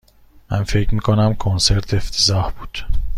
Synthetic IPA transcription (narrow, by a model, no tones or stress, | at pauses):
mæ̰nfe̞cʰmiːkʰonæmkʰonse̞ɾt̪ʰeft̪ʰezɒːhb̥uːd̪̥